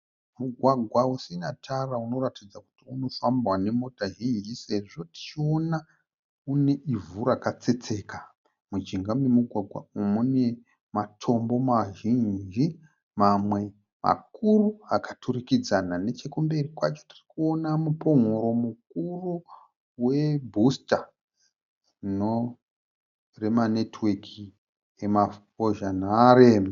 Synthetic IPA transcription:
muɡʱwaɡʱwausinatʰarauno̞ratid͡zaku̥tiuno̞fambwane̞mo̞taɦind͡ʒise̞ʐo̞ti̥t͡ʃio̞na | une̞ʔivuɾakat͡se̞t͡se̞ːka | mud͡ʒiŋɡamemuɡʱwaɡʱwa̰umune̞ | matʰo̞mbo̞maʒiɲd͡ʒi | mamwe̞ | ma̰kuruakaturikid͡zanane̞t͡ʃekumbe̞rikwat͡ʃo̥ti̥rikuonamupo̞ŋoɾo̞muk̚uru | we̞bʱusta | no | re̞mane̞twekʰi | ema | oʒanaɾeːm

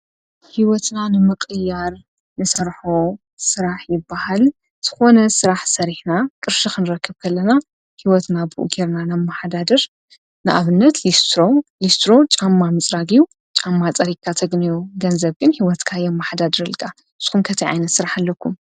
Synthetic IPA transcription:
hiwɔt̪nanɨmɨkʼɨjːaɾ | nɨsɐɾħo | sɨɾaħjɪbːahal | z̥ɨxo̞nɐsɨɾaħsɐɾiħnakʼɨɾʃikʰɨnɨɾɐkːɨbkʰɐlːɐna | hiwɔt̪nabɨʔṵɡeɾnanamːaħad̪ad̪ɐɾ | nɨʔa̰βɨnːɐt̪list̪ʰɾolist̪ʰɾo̞t͡ʃʼamːamɨt͡sʼɾaɡiju | t͡ʃʼamːat͡sʼɐɾikʰːat̪ʰɐɡnijoɡɐnzɐβɡɨnhiwɔt̪kʰajɛmːaħad̪ad̪ɨɾɐlkʼʰa | ɨz̥xumkʰɐt̪ʰiʕa̰jnɐt̪sɨɾaħalːɐkʰːum

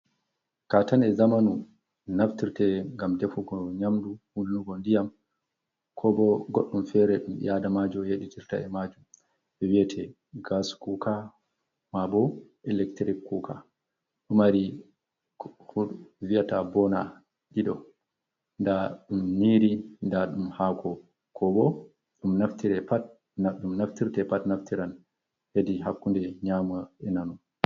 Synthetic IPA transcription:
katanɛzamanu | naftiɾtɛŋɡamdɛfuɡɔɲamduhundunuɡɔndijam | kʰɔbɔɡoɗːumfɛɾɛɗum̰jʔadamad͡ʒɔjeɗitiɾta̰ɛmad͡ʒum | ɛwijɛtʰɛ | ɡaskuka | mabɔʔɛlɛktɾikːukʰa | ɗumaɾi | huviatabɔna | ɗiɗɔ | ndaɗumniɾindaɗumhakʰɔ | kʰɔbɔ | ɗumnaftiɾɛpat̚ | naɗumnaftiɾtɛpatnaftiɾan | hediɦakːundɛɲamaɛnanu

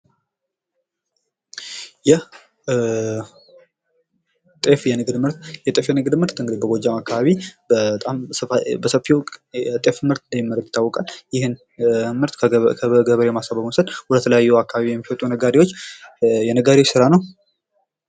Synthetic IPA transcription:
jɛh | t̪ʼe̞fjɛnɨɡd̪mɨɾt̪jɛt̪ʼefjɛnɨɡd̪mɨɾt̪ɨŋɡɨd̪ibəɡʷod͡ʒamakːaβaβibət̪ʼamsəbəsəfiwkʼt̪ʼe̞fɨmɨɾt̪ɨnd̪əmːjimːəɾəjɪt̪ʰːawɔkʼaljɪhɨn | mɨɾt̪kʰəɡəβəɾemasaβəbmosəd̪wɔd̪ət̪ʰələjajːuakːaβaβijɛmːihɔt̪ʼunəɡaɾiwo̞t͡ʃːjɛnəɡaɾiwot͡ʃsɨɾanəw

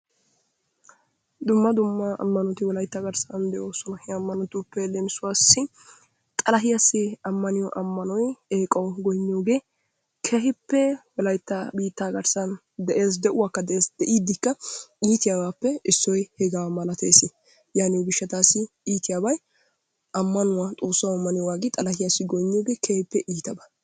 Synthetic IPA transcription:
d̪ʊmːɐd̪ʊmːɐɐ̰mːɐnɔt̪ɪwɔlɐjt̪ːaɡɐɾsɐnd̪ɛʔoːsɔnɐhɛɐmːɐnɔt̪ːʊpːɛlemɪsʊwaːsːɪ | t̪ʼɐlɐɦɪjɐsːɪɐmːɐnɪjɔʔɐmːɐnɔjeːkʼɐwɡɔjnːɪjoːɡe̞ː | kʰɛɦɪpːɛwɔlɐjt̪ːɐbiːt̪ːaːɡɐɾsɐn | d̪ɛʔe̞ːsd̪ɛʔʊwaːkːɐd̪ɛeːsd̪ɛʔiːd̪ːɪkːɐiːt̪ɪjaːbaːpːɛɪsːɔjhɛɡawmɐlɐt̪ʰḛːsɪ | jaːnɪwɡɪʃːɐt̪aːsɪ | iːt̪ɪjabɐj | ʔɐmːɐnʊwat̪ʼo̞ːsːɐwɐmːɐnɪjɔwaːɡɪt̪ʼɐlɐhɪjasːɪɡɔjɲːoːɡeːkʰehɪpːɛʔiːt̪ɐbɐ̥

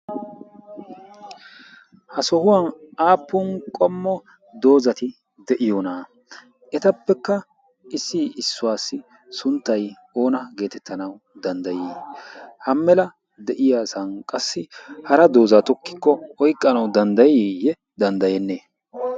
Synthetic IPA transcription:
hɐsɔhʊwanʔaːpːʊnkʼɔmːɔ | d̪o̞ːzɐt̪ɪ | d̪ɛʔɪjɔːnaː | ɛt̪ɐpːɛkːɐ | ɪsːɪɪsːʊwaːsːɪ | sʊnt̪ːɐj | o̞ːnɐɡe̞ːt̪ɛt̪ʰːɐnɐw | d̪ɐnd̪ɐjiːhɐmːɛlɐ | d̪ɛʔɪjaːsɐnkʼɐsːɪhɐɾɐd̪o̞ːzat̪ɔkːɪkːɔɔjkʼːɐnɐwd̪ɐnd̪ɐjijɛ | d̪ɐnd̪ɐjɛnːeː

